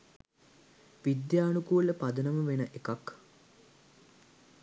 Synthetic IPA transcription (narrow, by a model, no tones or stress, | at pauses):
ʋid̪jaːnukuləpad̪ənəməʋenəʔekak